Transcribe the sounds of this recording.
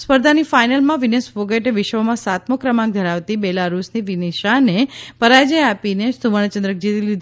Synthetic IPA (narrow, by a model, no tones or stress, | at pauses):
spəɾd̪ʱanifajnəlmãʋinesfoɡeʈʋɪʃʋəmãsat̪məkɾəmãɡ̚d̪ʱəɾaʋt̪ibelaɾusniʋineʃanepəɾad͡ʒəjapinest̪uʋəɳ̃t͡ʃənd̪ɾək̚d͡ʒit̪ilid̪